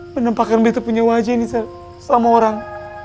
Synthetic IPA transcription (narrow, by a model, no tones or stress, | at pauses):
mənəmpakanbəit̪upuɲawad͡ʒanisal | samaoɾaŋ